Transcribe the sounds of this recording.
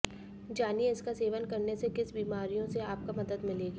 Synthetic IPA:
d͡ʒaːnieɪskaseːʋənkɐɾnesekɪsbiːmaːɾijõseaːp̚kamɐd̪əd̪mɪleːɡiː

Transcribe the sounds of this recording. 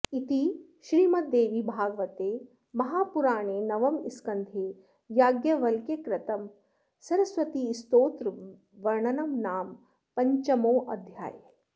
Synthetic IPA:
it̪i | ʃɾiːmɐt̪̚d̪eːʋibʱaːɡʋɐt̪eː | mɐɦaːpuɾaːɳeːnɐʋɐmiskɐnd̪ʱeː | jaːɡjɐʋɐlkjekɾɐt̪ɐm | sɐɾɐsʋɐt̪iːst̪oːt̪ɾ | ʋɐɾɳɐnɐmnaːm | pɐɲt͡ʃɐmoːʔɐd̪ʱja̰ːj

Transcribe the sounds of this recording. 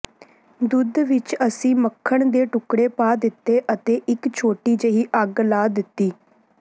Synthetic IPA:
d̪ʊd̪ʋɪt͡ʃəsĩːməkʰːəɳd̪eːʈʊkɽeːpaːd̪ɪt̪ːeːʔət̪eːʔɪkt͡ʃʰoːʈiːd͡ʒəiːʔəɡlaːd̪ɪt̪ːiː

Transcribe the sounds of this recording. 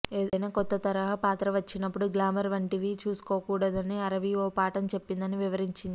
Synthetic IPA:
eːɐjnaːkɔt̪ːɐt̪ɐɾɐɦɐpaːt̪ɾɐʋɐt͡ʃːinɐpːuɽuɡlaːmɐɾʋɐɳʈiʋit͡ʃuːsu̥koːkuːɽɐd̪ɐniɐɾɐʋioːpaːʈɐmt͡ʃe̞pːind̪ɐniʋiʋɐɾiɲt͡ʃind̪i

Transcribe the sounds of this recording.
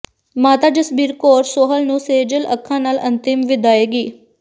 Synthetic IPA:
maːt̪aːd͡ʒəsbiːɾkoːɾsoːɦəlnũːseːd͡ʒələ̰kʰːãːnaːlə̃nt̪ɪmʋɪd̪aːeːɡiː

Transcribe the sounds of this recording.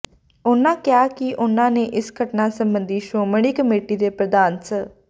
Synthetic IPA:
ʊnãːkɪjaːkɪʔʊnãːneːʔɪsɡəʈnaːsəmbənd̪iːʃoːməɽ̃iːkəmeːʈiːd̪eːpɾəd̪aːnsə

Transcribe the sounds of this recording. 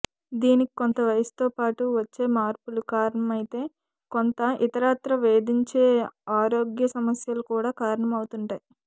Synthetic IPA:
d̪iːniki̥kont̪ɐʋɐjɐsu̥t̪o̞ːpaːʈuʋɐt͡ʃːe̞ːmaːɾpulukaːɾɐɳɐmɐjit̪e̞ː | kont̪ɐʔit̪ɐɾaːt̪ɾɐʋe̞ːd̪iɲt͡ʃe̞ːaːɾo̞ːɡjɐsɐmɐsjɐlukuːɽaːkaːɾɐɳɐmɐwut̪uɳʈaːji

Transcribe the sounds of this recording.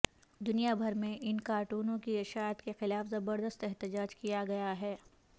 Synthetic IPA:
d̪ʊnijabʱɐɾmẽʔɪnkaːɾʈuːnõkiɪʃaːət̪kexɪlaːfzɐbəɾd̪əst̪ɛɦt̪ɪd͡ʒaːd͡ʒkijaɡɐjaɦɛː

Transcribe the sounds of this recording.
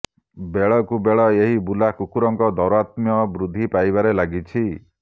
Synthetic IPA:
beɭɔkubeɭɔeɦibulakukuɾɔŋkɔd̪ɔɾat̪mjɔbɾud̪ʱːipajbaɾelaɡit͡ʃʰi

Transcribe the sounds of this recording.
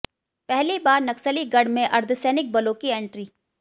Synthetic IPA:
pɛɦlibaːɾnɐksəliɡɐɽ̤mẽʔɐɾd̪ʱsɛːnɪk̚bɐloːkiẽːɳʈɾiː

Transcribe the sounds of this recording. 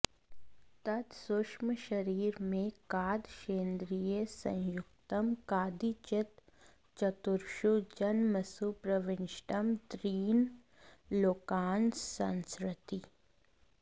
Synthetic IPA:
t̪ɐd̪sʊʃməʃɐɾiːɾmẽkaːd̪ʃeːnd̪ɾijesɐ̰̃jjʊɡt̪əmkaːd̪it͡ʃɪt̪ | t͡ʃɐt̪ʊɾʃud͡ʒɐnmɐsupɾəʋɪ̃nʃʈəmt̪ɾiːn | loːkaːnsɐ̃nskɾɪt̪i

